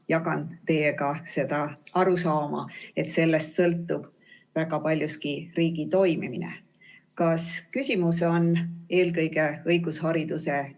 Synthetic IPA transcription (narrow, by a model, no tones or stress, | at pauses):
jɑkɑnt̪e̞jeɡɑse̞d̪̥ɑɑɾusɑːmɑ̰e̞t̪se̞lːe̞st̪sɤlt̪ːˑub̥ | væɡ̥ɑpɑlʲjuskiriːɡ̥it̪o̞jmiminḛ | kɑskysʲimuso̞ne̞ːlkɤjɡe̞ɤjɡ̥ushɑɾid̪̥use